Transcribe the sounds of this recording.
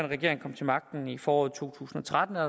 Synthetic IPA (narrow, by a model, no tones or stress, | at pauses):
enʁɛɡ̥e̝ɐ̰e̝ŋkʰɒ̽m̰t͡sʰe̝lmɑ̈ɡ̥̚d̥n̩ifɒːɒ̰ːð̩ˠt͡sʰo̝̰ːt͡sʰṵːsn̩ɒ̽t͡sʰʁad̥n̩æ